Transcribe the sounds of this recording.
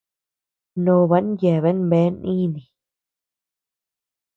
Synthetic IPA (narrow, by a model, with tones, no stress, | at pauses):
nõ˧˨˧βa˧˦n˦je˨βe˦nβe˨˦nʔĩ˦nĩ˨